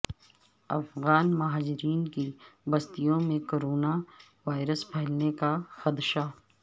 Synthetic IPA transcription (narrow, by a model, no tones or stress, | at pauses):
ɐ̰fɣaːnmɐɦaːd͡ʒɪɾiːnkibɐst̪ijõmẽkoːɾoːna | ʋaːɪɾəspʰɛɦɪlnekaxɐd̪ʃa